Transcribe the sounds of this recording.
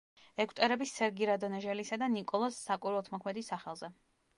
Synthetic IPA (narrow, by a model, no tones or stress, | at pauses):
ɛkʰʷʼt̪ʼɛɾɛbisːɛɾɡiɾad̪ɔnɛʒɛlisad̪anikʼɔlˠasːakʼiɾwɛlt̪ʰmɔkʰmɛd̪isːaχɛlˠzɛ